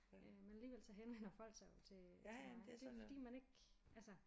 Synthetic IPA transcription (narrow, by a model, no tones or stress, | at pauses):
ømænæliːʋel̰sɒ̽ɦenʋen̰ɐfɒ̽l̰ɡ̥säɪjo̝t͡sʰe̝ | d̥efɒ̽d̥ḭːmæne̝ɡ̥ʔælsɐ